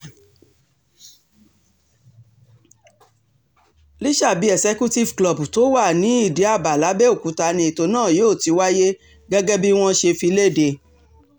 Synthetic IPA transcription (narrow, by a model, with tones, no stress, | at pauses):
li˦ʃa˦˨bi˦ɛ˨sɛ˦ku˦ti˦˨vklɔ˨bu˨to˦wa˦˨nĩ˨˦i˦˨de˨˦a˦˨ba˨la˨˦bɛ˦o˦˨ku˨˦ta˧nĩ˧e˨to˧nãː˦˨joː˦˨ti˧˦wa˦je˦ | ɡɛ˦ɡɛ˦bi˦w̃ɔ̃˦ʃe˧fi˧le˦˨de˧